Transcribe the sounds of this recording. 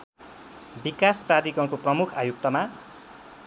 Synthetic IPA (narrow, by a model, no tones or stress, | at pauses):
bikasprad̪ikʌŋkoprʌmukʰajuk̚t̪ʌma